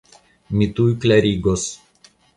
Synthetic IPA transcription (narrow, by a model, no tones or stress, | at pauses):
mʲit̪uːjklʲɛɾʲiːɡos